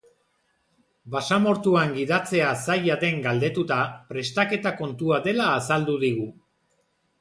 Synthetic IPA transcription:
basamo̞ɾt̪uaŋɡiðat͡se̞asajaðe̞ŋɡald̪e̞t̪ut̪apɾe̞st̪ake̞t̪ako̞nt̪uaðe̞laːsald̪uðiɣ̞u

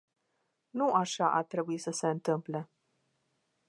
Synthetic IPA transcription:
nuʔaʃaʔat̪ɾebuisəse̞ɨnt̪ɨmple

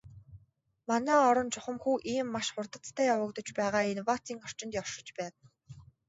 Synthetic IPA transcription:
manæːɔɾɞ̆nt͡ɕʊχə̆mxuːʔiːmːaʃχʊrt̪ə̆t͡s̪t̪ʰæːjawə̆kt̪ɞ̆t͡ɕpæːʁaːinwat͡s̪ʰiːŋɔr̥t͡ɕɪ̆nt̪jɔr̥ʃɪ̆t͡ɕpæːt̪̆

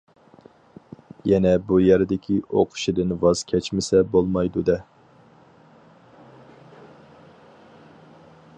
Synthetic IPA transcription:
jɛnɛbujæɾɪd̪ɪkʲʰio̰qʰʊ̥ʃid̪ɨnvɑz̥kʲʰɛt͡ʃmɪsɛbolˠmɑjd̪ud̪ɛ

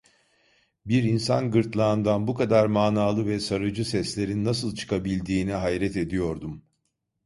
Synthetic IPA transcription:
biɾinsa̰nɡɯɾt̪lˠaːnd̪anbukʰad̪aɾmaːnaːlˠɯvɛsaɾɯd͡ʒɯsɛslʲe̞ɾinːasɯlˠt͡ʃʰɯ̥kʰabilʲd̪iːniɦajɾɛt̪e̞d̪ijo̞ɾd̪um

